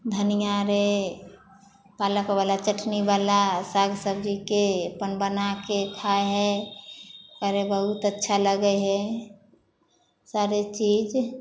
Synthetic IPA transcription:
d̪ʱənijaɾe | paləkbalat͡ʃəʈʰnibalasaɡʱsəb̚d͡ʒikepənbənaketʰaeɦɛ | kəɾebəɦut̪ətːʃʰaləɡəɦɛ | saɾet͡ʃid͡ʒ

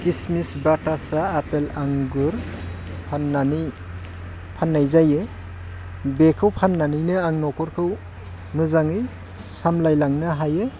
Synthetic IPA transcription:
kismisbatasaːpelaŋɡɯɾ | pʰanːanɯj | pʰanːajzajɯ | bekʰɯwpʰanːanɯjnɯaŋnɔkɔɾkʰɯw | mɯzaŋɯj | samlajlaŋnɯɦajɯ

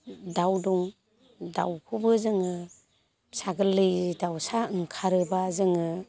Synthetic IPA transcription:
dawduŋ | da̰wkʰubɯzɯŋɯ | saɡɯlːɯjdawsaɯŋkʰaɾɯbazɯŋɯ

